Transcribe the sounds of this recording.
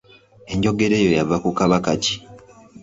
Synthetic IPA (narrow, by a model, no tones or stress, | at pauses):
e̞ɲɟo̞ɡe̞ɾe̞ːjo̞javakukaβakaci̥